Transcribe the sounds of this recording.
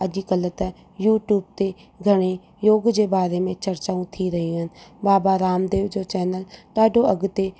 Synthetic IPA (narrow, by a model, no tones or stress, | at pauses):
ɐd͡ʒikələt̪ɐ | juːʈjuːb̚t̪e | ɡʱɐɽ̃e | joːɡd͡ʒebaːɾemẽt͡ʃɐɾt͡ʃaːũt̪ʰiɾɐɦiɦən̆baːbaɾaːmd̪eːʋd͡ʒoːt͡ʃɛːnəlɖaːɖʱoɐɡt̪e